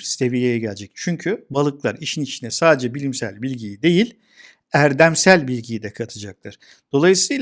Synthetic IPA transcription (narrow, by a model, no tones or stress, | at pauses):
se̞vijejɛɟælʲd͡ʒɛct͡ʃʰyɲcʰybalˠɯklˠaɾiʃinit͡ʃʰinɛsaːd̪ed͡ʒɛbilʲimsælʲbilʲɟijid̪e̞jilʲ | æɾd̪æmsælʲbilʲɟijd̪ɛkʰat̪ʰɯd͡ʒak̚t̪ˠɯɾ̥ | d̪̥o̞lˠajɯsɯjl